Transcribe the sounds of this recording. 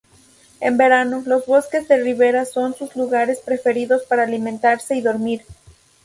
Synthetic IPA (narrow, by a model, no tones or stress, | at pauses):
e̞̰mbe̞ɾano̞lo̞zβo̞ske̞zðe̞riβe̞ɾaso̞nsuzluɣaɾe̞spɾe̞fe̞ɾiðo̞spaɾaːlimẽnt̪aɾse̞iðo̞ɾmiɾ